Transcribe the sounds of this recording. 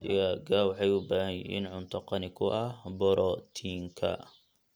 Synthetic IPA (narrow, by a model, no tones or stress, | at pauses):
ɪjɐɡawħɑjʊbaːhɐjḭːnʕʊnt̪ʰɔqɑnɪkʰʊʔɐhbɔɾɔt̪ʰiːŋkʰɐ̰